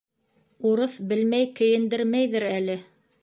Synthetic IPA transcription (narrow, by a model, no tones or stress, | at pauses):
uɾɤθbɘlmæjkɘ̆jɘ̆nd̪ɘɾmæjðɘɾælɘ